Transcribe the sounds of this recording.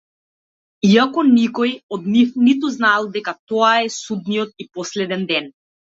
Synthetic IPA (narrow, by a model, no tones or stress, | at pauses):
iakɔnikɔjɔd̪nifnit̪uznalˠd̪ɛkat̪ɔaɛsud̪nijɔt̪̚ipɔslɛd̪ɛnd̪ɛn